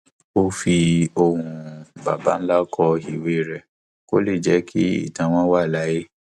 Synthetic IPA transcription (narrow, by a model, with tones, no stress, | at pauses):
o˦fi˧o˧ɾũ˧ba̰˨ba̰˨˦n̩˦la˦kʰɔ˧i˨we˦˨ɾɛ˧˨ | ko̰˦le˦˨d͡ʒɛ˨˦kʰi˦ḭ˦˨tã˧w̃ɔ̃˦wa˦˨la˨˦je˦